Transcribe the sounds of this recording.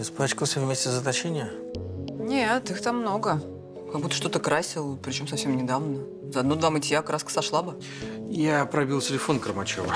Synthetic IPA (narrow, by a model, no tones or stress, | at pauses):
ɪspˠat͡ɕkəlˠsʲəvmʲesʲtʲɪzət̪ɐt͡ɕenʲɪjə | nʲet̪ɨxt̪amːno̞ɡə | kɐɡ̚but̪ːə̥ʂt̪o̞t̪əkɾasʲɪlˠpɾʲɪt͡ɕo̞msɐfʲsʲemnʲɪd̪avnə | zəɐd̪nod̪vamɨtʲjakɾʔaskə̥sɐʂlˠabɨ | japɾɐbʲilˠtʲɪlʲɪfo̞nkɾəmɐt͡ɕo̰və